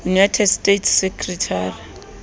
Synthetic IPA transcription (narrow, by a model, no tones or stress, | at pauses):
junajtʰɛdstetʰsɛkʰʼritʰaːri